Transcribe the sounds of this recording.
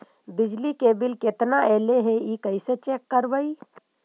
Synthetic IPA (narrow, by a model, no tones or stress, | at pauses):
bɪd͡ʒlikeːbɪlket̪naɛːleɦeikəɪset͡ʃeːkːəɾbəi